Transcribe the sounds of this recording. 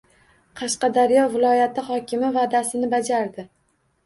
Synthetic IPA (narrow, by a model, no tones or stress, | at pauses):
qʰɑʃqɑd̪aɾjɒvɪlˠɒjat̪ɪhɒkʲʰɪmɪvad̪asɪnɪbad͡ʒaɾd̪ɪ